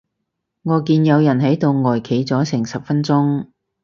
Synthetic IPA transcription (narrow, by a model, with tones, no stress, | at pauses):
ŋɔː˨˧kiː˧njɐ˨˧wjɐ˨˩nɦɐ˨˥jt̪o˨˧wŋɔː˨˩jkʰe˨˥jt͡sɔː˨˥sɪ˨˩ŋsɐ˨p̚fɐ˧nt͡sʊ˥ŋ